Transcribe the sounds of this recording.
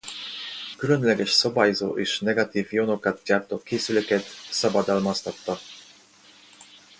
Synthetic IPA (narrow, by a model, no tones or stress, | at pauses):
kylø̞nlɛɡɛʃsɒbaːjozoːʔeːʃnɛɡɒt̪iːvjo̞no̞kɒt̪̚ɟaːrt̪oːkeːsyløkɛt̪sɒbɒd̪ɒlmɒst̪ɒt̪ːɒ